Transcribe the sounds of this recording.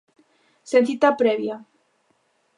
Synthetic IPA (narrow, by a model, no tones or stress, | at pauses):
senθit̪apɾeβja